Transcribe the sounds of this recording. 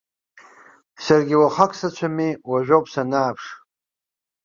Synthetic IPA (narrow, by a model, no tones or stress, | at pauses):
sarɡʲiwaχakʷʰʼsat͡ʃʷʰamiwaʒᶣopʼsanaːpʰʂ